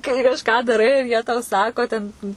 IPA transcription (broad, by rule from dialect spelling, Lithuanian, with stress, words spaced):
kɐɪ kɐʃˈkɑː dɐˈrɐɪ ɪr jiɛ tɐʊ ˈsɑːkoː tʲɛn